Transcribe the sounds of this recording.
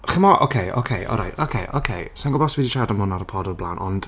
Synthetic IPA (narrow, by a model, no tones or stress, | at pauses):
χɪmɔʔo̰kʰejʔo̰kʰejʔɔ̰lɾa̰jtʰokʰejʔo̰kʰejsaŋɡɔbɔswiditʰadəmhʊnaɾəpʰɔdɔblˠanɔnd̥